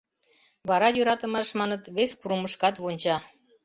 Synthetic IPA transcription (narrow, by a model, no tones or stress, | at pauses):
βɑɾɑjøɾɑt̪ə̆mɑʃmɑnət̪βeskuɾəməʃkɑt̪βonʲt͡ɕɑ